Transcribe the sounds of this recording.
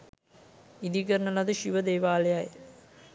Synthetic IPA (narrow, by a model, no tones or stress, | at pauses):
id̪ikəɾnɐlɐd̪ɨʃiʋəd̪eːʋaːlejaj